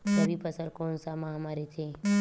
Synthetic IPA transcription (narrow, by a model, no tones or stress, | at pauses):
səbipʰəsəlkõːnsamãɦɐmaɾet͡ʃʰe